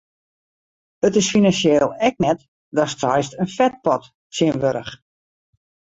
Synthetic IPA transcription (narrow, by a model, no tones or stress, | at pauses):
ətɪsfinansjeːlˠɛk̚nɛt | dɔstʰɔjstənfɛt̚pɔt | siənʋøɾə̰χ